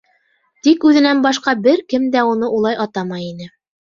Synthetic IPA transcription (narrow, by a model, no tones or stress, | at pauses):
t̪ikʉðɘ̆nænbɑʃqɑbɘɾkɘmd̪æunɤʔulˠɑjʔɑt̪ɑmɑjinɘ